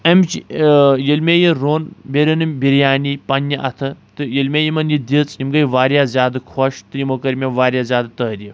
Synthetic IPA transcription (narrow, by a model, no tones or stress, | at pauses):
ɐmt͡ʃʰjilmʲejiɾoːnbʲeɾʲɐnɨmʲbiɾjaːnipɐnjɐʔɐt̪ʰɨt̪ɨjilʲmʲejimɐnjid̪it͡simɡɐjʋaːɾjaːzʲaːd̪ɨkʰɐʃt̪ɨjimokɐɾmʲeʋaːɾʲjaːzʲaːd̪ɨt̪əːɾʲi